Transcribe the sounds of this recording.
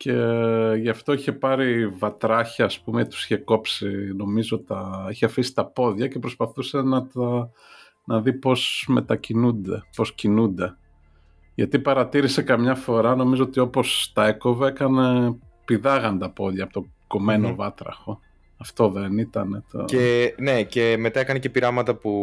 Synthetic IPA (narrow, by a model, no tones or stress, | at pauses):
ce̞ʝɐft̪o̞içe̞pɐɾivɐt̪ɾɐçɐːspumet̪u̥si̥çe̞ko̞psino̞mizoot̪ɐiçeɐfisi̥t̪ɐpo̞ðʝɐce̞pɾospɐθuse̞nɐt̪ɐ | nɐðipo̞sme̞t̪ɐcinund̪e̞po̞scinund̪e̞ | ʝɐt̪ipɐɾɐt̪iɾise̞kɐmɲɐfo̞ɾɐno̞mizo̞ot̪io̞po̞st̪ɐe̞ko̞veekɐne̞ | piðɐɣɐnt̪ɐpo̞ðʝɐpot̪okome̞novɐt̪ɾɐ̰xo̞ | ɐft̪o̞ðe̞nit̪ɐne̞t̪o̰ene̞ce̞met̪ɐekɐnece̞piɾɐmɐt̪ɐpu